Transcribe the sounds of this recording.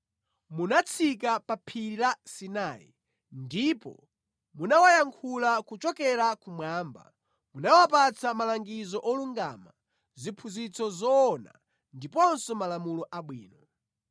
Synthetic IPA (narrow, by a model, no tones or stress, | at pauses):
munat͡sʰik̬apapʰiɾilasinaːjḭ | ndipɔ̰ | munawajaŋkʰulakut͡ʃɔkɛɾakumwaːmba̰ | munawapat͡sʰamalaŋɡizɔʔɔluŋɡa̰ma̰ | zipʰuzit͡sɔzɔːna̰ | ndipɔnsɔmalamulɔʔaɓwḭːnɔ